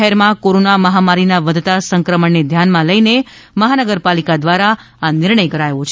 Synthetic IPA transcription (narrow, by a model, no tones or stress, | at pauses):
ɦɛɾmãkoɾonaməɦamaɾinaʋəd̪ʱt̪asə̃ŋkɾəməɳːed̪ʱjanmãləine | məɦanəɡəɾpalikad̪ʋaɾa | anɪɾɳəjkəɾajʋot͡ʃʰ